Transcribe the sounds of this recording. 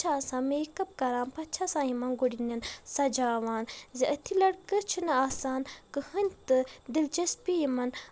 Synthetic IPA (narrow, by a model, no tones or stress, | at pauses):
t͡ʃʰasãːmeːkɐb̚kɐɾaːnpɐtt͡ʃʰasãːjimɐnɡoɽinʲɐnsɐd͡ʒaːʋaːnziʔɐt̪ʰilɐɽkət͡ʃʰunɨaːsaːnkɨhɨnʲt̪ɨd̪ilt͡ʃɐspijimɐn